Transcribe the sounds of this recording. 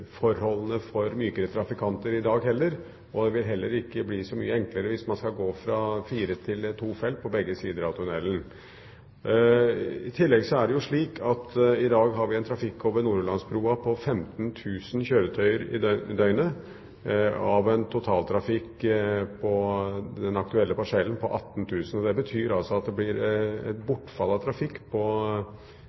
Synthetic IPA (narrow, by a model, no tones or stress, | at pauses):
fɔɾhɔlːənəfɔɾmyːkəɾət̪ʰɾɑfɪkʰɑnt̪əɾɪd̪ɑːɡɦɛlːəɾ | ɔd̪ɛʋɪlɦɛlːəɾɪkːəbliːsɔmy̰ːəɛŋkləɾəʋɪsmɑnskɑlɡoːfɾɑfiːɾət̪ʰɪlt̪ʰuːfɛlt̪̚pʰɔbɛɡːəsiːd̪əɾɑʋt̪ʰʊnɛlːən̩ | ɪt̪ʰɪlːɛɡsɔæɖɛjʊʂɭiːkʰɑt̪ɪd̪ɑːɡɦɑɾʋɪɛnt̪ʰɾɑfɪkːoːʋəɾnuːɾʉlɑnspʰɾuːɑpʰɔfɛmt̪nt̪ʰʉːsnçøːɾət̪ʰœʏəɾɪ̰d̪œʏnə | ɑʋɛnt̪ʰʊt̪ʰɑːlt̪ʰɾɑfɪkːpʰɔd̪ɛnɑk̚t̪ʉɛlːəpɑʂɛlːənpʰɔʔɑt̪ːn̩t̪ʰʉːsən̩ɔd̪ɛbət̪ʰyːɾɑlsɔɑt̪̚d̪ɛblɪɾɛ̰t̪bʊʈːfɑlːɑt̪ʰɾɑfɪkːpʰɔ